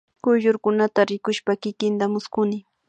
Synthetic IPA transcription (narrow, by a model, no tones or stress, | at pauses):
kʊʒʊɾkʊnat̪aɾɪkʊʃpakɪkɪnt̪amʊskʊnɪ